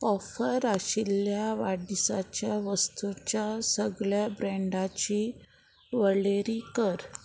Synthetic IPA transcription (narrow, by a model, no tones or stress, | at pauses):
kɔfəɾaɕiljaʋaɽisat͡ɕjaʋəst̪ut͡ɕjasəɡɭjabɾeɳɖat͡ɕi | ʋəɭeɾiːkəɾ